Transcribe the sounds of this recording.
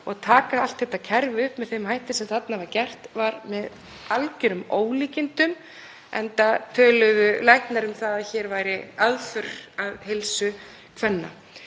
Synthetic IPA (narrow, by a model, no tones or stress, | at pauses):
ɔɣt̪ʰaːkaal̥t̪θɛht̪ːacʰɛɾvʏhpmɛðθejmɦajht̪ɪsɛmθat̪navaɾcɛr̥t̪vaɾmɛð | alcʏɾʏmoːwliːcɪnt̪ʏm | ʔɛnt̪at̪ʰœːlʏðʏlajhk̪naɾʏmθaðaðçɛɾvaːjɾɪaðfʏɾaðhelsʏ | kʰvɛnːa̰